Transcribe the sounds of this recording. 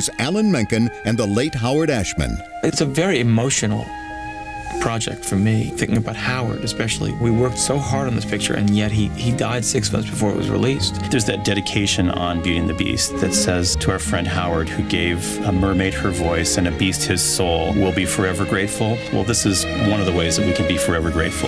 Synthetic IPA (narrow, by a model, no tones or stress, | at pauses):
zʔælˠə̃nmɛ̃ŋkɨ̃nʔɨ̃nðəleɪt̚ɦaʊə˞ɾæʃmɨ̰̃n | ɪtsɨvɛɹiɨmoʊʃɨ̃nl̩ˠ | pʰɹ̥ɑd͡ʒɛ̰k̚tfə˞miθɪ̃ŋkɪ̃ŋɨbaʊt̚haʊə̰˞ɾɨspɛʃl̩ˠḭwiwɜ˞k̚tsoʊhɑɹɾn̩ðɪspʰɪk̚t͡ʃə̰˞ʔɨ̰̃njɛt̚ɦiidaɪd̥sɪksmʌ̰̃nθsb̥ɨfɔɹɨʔ̚wʌ̰zɹḭlistðə˞zðɨt̚d̥ɛɾɨkʰeɪʃɨ̃nə̰̃nbjʉɾɪ̃ŋðɨbḭst̚ðɨtsɛz̥tʰəaə˞fɹɛ̃nd̚ɦaʊə˞d̚hʉɡeɪv | əmɜ˞meɪt̚hə˞vɔɪsɨ̃nɨbist̚hɪz̥soʊlˠwɪlˠbifə˞ɛvə˞ɡɹeɪtfl̩ˠwɛ̰lˠðɪsɨz | wʌ̃nʌvðəweɪzðɨt̚wikʰɨ̃nbifə˞ɛvə˞ɡɹeɪtfl̩ˠ